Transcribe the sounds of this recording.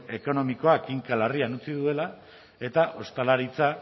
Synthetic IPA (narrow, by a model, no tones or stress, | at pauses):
e̞ko̞no̞miko̞akiŋkalarianut͡siðue̞la | e̞t̪aʔo̞st̪alaɾit͡sa